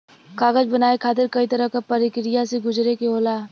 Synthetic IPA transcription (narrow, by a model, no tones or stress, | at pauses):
kaːɡəd͡ʒbɐnaːekʰaːt̪̬ɪɾkɐit̪ɐɾəɦkapɐɾɪkɾɪjaseɡʊd͡ʒɾekeoːlaː